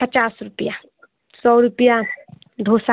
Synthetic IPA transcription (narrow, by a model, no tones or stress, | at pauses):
pət͡ʃaːsɾupja | sɔːɾupja | d̪ʱosa